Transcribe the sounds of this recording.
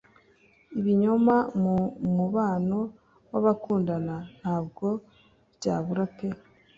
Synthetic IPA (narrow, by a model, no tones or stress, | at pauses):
iβiɲomammuβaːno̞ | waβakuːndanan̥haːb̚ɡo̞ | bɟaːβuɾape